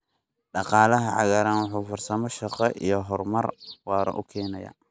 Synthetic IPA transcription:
ɖɑqɑːlɐɦɐʕɑ̰ɣaɾaːnwɑħuːfɐrsɐmɔʃɑqɛʔḭjɞɦɔrmɐrwɑːɾɔ̰ʔʊkʰɛːnɐja̰ː

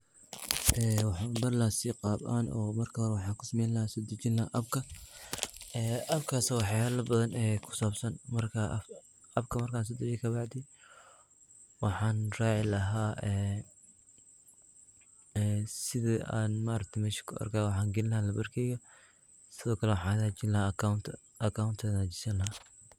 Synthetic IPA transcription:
ʔɛːwɑħɑːbɐrlasɪqɑːba̰ːnʔɔ̰ːmɐrkʰɐɔɾwɑħɑːkʰʊsɐmɛjnlɐhaːsɔːd̪ɐt͡ʃɪnlɐhaʔɐb̚kʰɐ | ɛːʔɐbkʰaːsɐwɑħjaːlɐbɐðɐnɛːkʰʊ̥saːbsɐnmɐrkʰɐ | ɐbkʰɐmɐrkaːns̬ɔːd̪ɐt͡ʃɛkʰɐbɑʕd̪ɪ | wɑħɑːnraːʕɪlɐɦaːɛː | ɛːsɪðia̰ːnmaːɾɐk̚t̪ʰɐjmɛːʃɪ̥kʰʊɐ̰rkʰaːwɑħɑːŋɡɪnɪlɐhaːlɐbɐrkʰɛjɣɐ | sɪðɔːkʰɐlɛwɑħɑ̃ːðaːt͡ʃɪnlɐhaant̪ʰ | ɐkʰawnt̪ʰɛːnat͡ʃɪ̥sɐlɐa

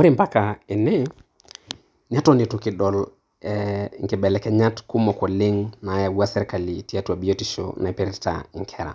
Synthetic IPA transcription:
moɾimpakaɛnɛ | ɲatɔnitukiɗɔl | ɛŋɡɛɓɛlɛkɛɲatkumɔkwɔleŋnajawuasɛɾikalitiatuabiɔtiʃɔ̰naɛpɛɾɛta̰ŋkʰɛɾa̰

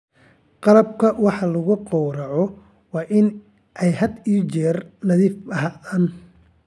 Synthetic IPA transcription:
qɑlɐb̚kʰɐwɑħɑlʊɣʊqɔwɾɑʕɔ | wɑːʔɪn | ʔɛjhɐd̪iːt͡ʃɛːrnɐðiːfɐɦaːn

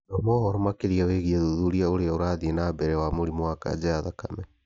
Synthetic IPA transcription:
nɔmɔhɔɾɔmakeɾiaweɣiɛðuðuɾiaoɾeaoɾaðienabɛɾɛwamoɾimɔwaka̰d͡ʒɛaðakamɛ

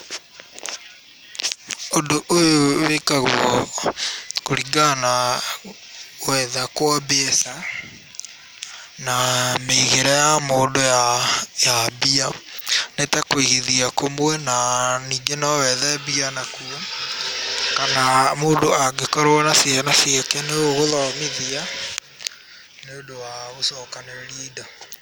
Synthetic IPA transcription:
ondoʔojowekaɣwɔ | koɾiɡana | wɛðakwabeɛsa | nameiɣeɾajamoːndojajabianetakoiɣeðiakomwɛnaniːŋɡenɔwɛðɛbianakuɔ | kanamoːndoaɡekɔɾoɔnasjanasjɛkɛneoɣoðɔmiðia | neondowaɣosɔːkaneɾiːda

